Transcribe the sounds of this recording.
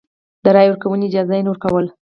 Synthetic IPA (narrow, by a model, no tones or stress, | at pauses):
d̪̥əɾɑjwəɾkawəneːd͡ʒɑzajenoɾkawəl